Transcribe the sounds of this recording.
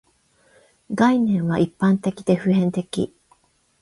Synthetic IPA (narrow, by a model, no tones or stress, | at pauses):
ɡainẽ̞ɰ̃βaʔipːãnt̪e̞kʲid̪e̞ɸɯ̟ɦẽ̞nt̪e̞kʲḭ